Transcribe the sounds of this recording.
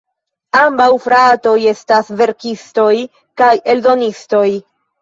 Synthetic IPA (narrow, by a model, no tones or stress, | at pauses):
ambawfɾato̞je̞stasve̞ɾkisto̞j | kaje̞ldo̞nisto̞j